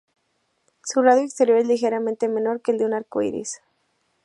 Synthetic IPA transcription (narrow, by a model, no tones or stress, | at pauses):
suraðjoekst̪e̞ɾjoɾezlixeɾamẽnt̪eme̞no̞ɾkeːld̪eunaɾkoḭɾḭs